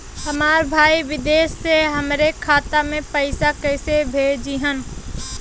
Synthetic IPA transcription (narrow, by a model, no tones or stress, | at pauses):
hɐmaːɾbʱaːiʋɪd̪eːʃːeɦɐmɾekʰaːt̪amẽpɐɪsakɛːsebʱeːd͡ʒiɦən